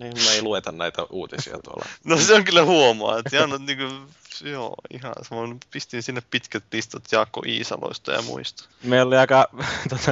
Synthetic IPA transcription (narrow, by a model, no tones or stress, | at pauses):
nimneiluet̪ɑnnæit̪æʔuːt̪isḭɑ̰t̪uo̰lɑ̰noseoŋkylːæhuomɑ̰ːet̪iɑnːot̪niːŋku | jo̰ːḭhɑ̰sɑmonpist̪insinːeppit̪kæt̪̚list̪ɑt̪jɑːkːo̰ʔiːsɑ̰lo̰ist̪ɑjɑ̰mṵist̪ɑ̥meˑiolːiɑˑikɑt̪ot̪ɑ